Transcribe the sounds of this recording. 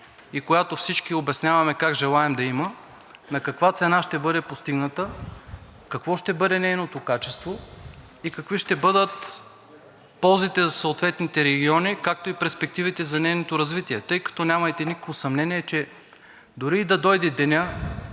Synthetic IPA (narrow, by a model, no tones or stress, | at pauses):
ikojat̪ofsit͡ʃkʲiobʲɐsnʲavɐmɛkaɡʒɛlˠaɛmd̪ɐimə | nɐkɐkvat̪sɛnaʃt̪ɛbɤd̪ɛpost̪iɡnɐt̪ə | kɐkvɔʃt̪ɛbɤd̪ɛnɛjnot̪okat͡ʃɛst̪vo | ikɐkviʃt̪ɛbɤd̪ət̪ | pɔlˠzit̪ɛzɐsɐot̪vɛt̪nit̪ɛɾɛɡʲiɔnikak̚t̪oipɛɾspɛk̚t̪ivit̪ɛzɐnɛjnot̪oɾɐzvit̪iɛt̪ɤjkɐ̥t̪ɔnʲamɐjt̪ɛnʲikə̥kvosɐmnɛniɛt͡ʃɛ | d̪ʊɾiːd̪ɐd̪ɔjd̪ɛd̪ɛnʲa